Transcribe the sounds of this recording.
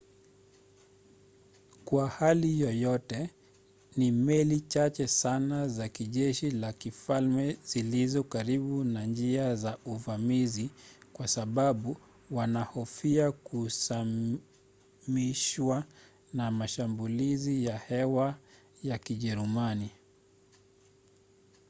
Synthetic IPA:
kwahalijɔjɔtɛ | nimɛlit͡ʃat͡ʃɛsanazakiʄɛʃilakifalmɛz̥ilizɔkaɾiɓunand͡ʒiazauvamizikwasaɓaɓu | wanahɔfiakusa | miʃwa | namaʃambulizijahɛwa | jakiʄɛɾumani

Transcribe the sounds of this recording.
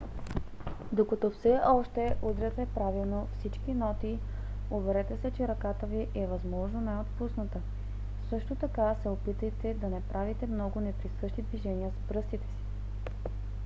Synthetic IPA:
d̪okɐt̪ɔfsɛʔɔʃt̪ɛʔud̪ɾʲət̪ɛpɾavilˠnofsit͡ʃkinɔt̪iovɛɾɛt̪ɛsɛt͡ʃɛɾɐkat̪əviʔɛvɐzmɔʒnonaɛot̪pusnət̪ə | sɤʃt̪ot̪ɐkasɛopit̪əjt̪ɛd̪ɐnɛpɾʔavit̪ɛmnɔɡʊnɛpɾisɤʃt̪id̪viʒɛniəsbɾɤst̪it̪ɛ̥si̥

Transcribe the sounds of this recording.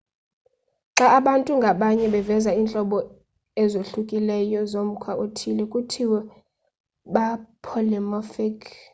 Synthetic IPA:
ǁaʔaɓantʼuŋɡʱaɓaɲɛɓɛvɛzaiːnt͡ɬʼɔɓɔ | ɛzoɬukʼilɛjɔzom̩kʰwaʔotʰilɛkʼutʰiwɛ | ɓapʰɔlɛmɔfɛkʰ

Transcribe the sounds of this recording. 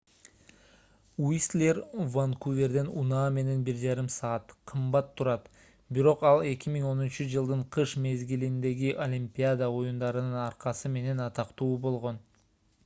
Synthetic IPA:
wislʲervankuvʲe̞ɾd̪e̞nunɑːme̞ne̞nbiɾd͡ʒɑɾɯmsɑːɑt̪qʰɯmbɑt̪ʰːuɾɑt̪ | biɾo̞qɑlˠe̞kʲimiŋo̞nunt͡ʃyd͡ʒɯlˠd̪ɯɴqʰɯʃme̞zɡilind̪e̞ɡiʔolʲimpʲiad̪əo̞jund̪ɑɾɯnɯnɑɾqɑsɯme̞ne̞nɑt̪ɑqt̪uːbo̞lˠʁo̞n

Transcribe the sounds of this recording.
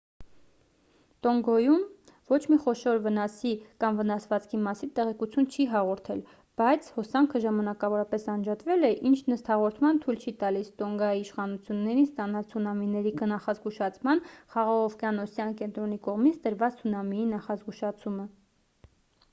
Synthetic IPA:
t̪ɔŋɡɔjum | vɔt͡ʃʰmiχɔʃɔɾvənɑsikɑmvənɑsvɑt͡skʰimɑsint̪ɛʁɛkut͡sʰjunt͡ʃʰiɦɑʁɔɾt̪ʰɛl | b̥ɑjt͡sʰhɔsɑŋkʰəʒɑmɑnɑkɑvɔɾɑpɛsɑnd͡ʒɑt̪vɛlɛʔint͡ʃʰnəst̪hɑʁɔɾt̪ʰmɑnt̪ʰujlt͡ʃʰit̪ɑlist̪ɔŋɡɑjiːʃχɑnut͡sʰjunːɛɾinst̪ɑnɑlt͡sʰunɑminɛɾiknɑχɑzɡuʃɑt͡sʰmɑnχɑʁɑʁɔfkjɑnɔsjɑnkɛnt̪ɾɔnikɔʁmit͡sʰd̪əɾvɑt͡st͡sʰunɑmiinɑχɑzɡuʃɑt͡sʰumə

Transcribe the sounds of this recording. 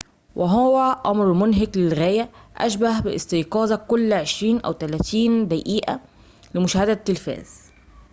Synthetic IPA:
wʔɪɦʊwæʔɑmɾmʊnɦɪɡlɪlɣæːjæʔæ̰ʃbæhbɪʔɪst̪ijqɑːzɑkːʊlːʕeʃɾiːnʔæ̰wt̪ælæːt̪iːnd̪æʔiːʔa̰ | lɪmʊʃæːhæd̪æt̪ːɪlfæ̰ːz̥

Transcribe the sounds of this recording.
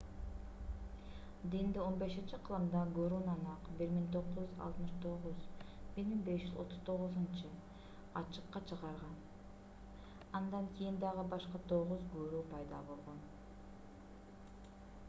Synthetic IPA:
d̪ind̪io̞nbe̞ʃint͡ʃiqʰɯlˠɯmd̪ɑɡøɾunɑnɑqbiɾmiŋt̪ʰo̞qzd͡ʒyzɑ̰t̪mɯʃt̪ʰo̞ʁʊzbiɾmiŋbe̞ʃd͡ʒyzˠo̞̰t̪ʰːʊz̥t̪ʰo̞ʁʊzɨnt͡ʃɨ | ɑt͡ʃɨ̥qːɑt͡ʃʰəʁɑɾʁɑn | ɑnd̪ɑŋkʲʰijind̪ɑʁɯbɑʃqɑt̪ʰo̞ʁuzɡøɾuːpɑjd̪ɑ̰bo̞lˠʁo̞n

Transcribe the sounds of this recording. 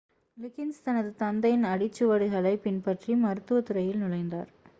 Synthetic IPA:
lɪkːɪnst̪ɐnɐðɯt̪ɐnd̪ɐjɪnɐɽɪt͡ʃːɯʋɐɽɯɣɐɭɐɪpɪnpɐʈrimɐɾɯt̪ːɯʋɐt̪ɯɾɐjɪlnʊlɐɪnd̪a̰ːɾ

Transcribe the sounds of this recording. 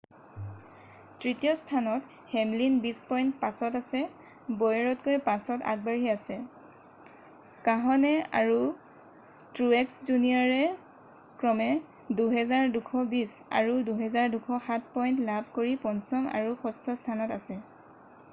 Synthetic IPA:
tɹitijɔstʰanɔt | hɛmlinbispɔjntpasɔtasɛ | bɔjɔɹɔtkojpasɔta̰k̚baɹiasɛ | kaɦɔnɛa̰ɹu | tɹuɛkszuniɔɹɛ | kɹɔmɛ | duɦɛzaɹdukʰɔbisa̰ɹuduɦɛzaɹdukʰɔxat̚ʰpɔjntlab̚ʱkoɹipɔnsɔma̰ɹuxɔstʰɔstʰanɔtasɛ

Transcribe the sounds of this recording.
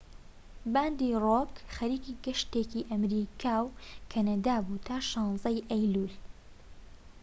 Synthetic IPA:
baːnd̪irokxɐɾiːkiɡɐʃt̪eciʔɐmɾikʰaːwkʰɐnɐd̪aːbuːt̪ʰaːʃɑːnzɐjʔɐjlul

